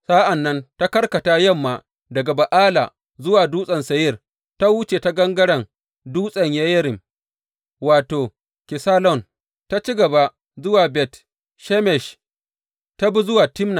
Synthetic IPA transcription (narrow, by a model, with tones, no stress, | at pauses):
saː˦ʔa˨nːɐ˦nta˦kɐ˦rkɐ˨ta˦jɐ˦mːa˨ | dɐ˨ɡa˨ba˨ʔaː˦la̰˨ | zʊ˦waː˨duː˦sʼɐ˨nsɐ˨jɪ˦r | ta˦wu˦t͡ʃeː˨ta˦ɡɐ˦ŋɡɐ˦ɽɐ˨ŋ | duː˦sʼɐ˨ɲjɐ˦jɐ˦ɾɪ˨m | waː˨toː˨ | kʲɪ˨saː˦lɔ˨n | ta˦t͡ʃi˦ɡɐ˨ba˦ | zʊ˦waː˨bɛ˦˨t | ʃɛ˦mɛ˨ʃ | ta˦bu˦zʊ˦waː˨tɪ˦mna˨